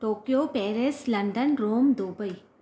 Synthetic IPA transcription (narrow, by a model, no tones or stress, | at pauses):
ʈoːkijoːpeːɾeslɐ̃ɳɖənɾoːmd̪oːbəi